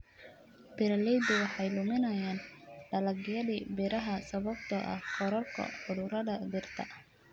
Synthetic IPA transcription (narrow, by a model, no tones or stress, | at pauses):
b̥ɪɾɐlɛd̪ɪwɑħɑjlʊmɪnɐjaːnɖɐlɐɡɪjɐðiːbɪɾɐɦɐsɐβɐb̚t̪ʰɐʔɐ̰hqʰɔɾɔlkʰɐ̰ħʊðʊɾɐðɐd̪ɪrt̪ʰɐ